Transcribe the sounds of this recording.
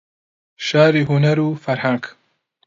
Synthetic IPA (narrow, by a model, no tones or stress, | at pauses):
ʃaːɾiːɦunɐɾuːfɐɾhaŋɡ